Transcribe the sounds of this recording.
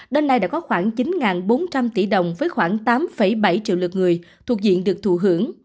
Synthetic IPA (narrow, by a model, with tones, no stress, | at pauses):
ɗe˧nːa˧jɗa̰ː˧˥kɔ˨˦xwaː˧˩ŋt͡ɕi˨˦nŋaː˨˩nɓo˨˦nt͡ɕa˧mt̪i˧˩ɗə˨˩wŋ͡mvəː˨˦jxwaː˧˩ŋt̪aː˨˦mfə˧˩jɓa˧˩jt͡ɕḭ˧˨wlɨ˨˩k̚ŋɨ˨˩əjt̪ʰu˨˩ək̚zḭ˧˨ənɗɨ˨˩ək̚t̪ʰu˧˩ɦɨ̰˧˩əŋ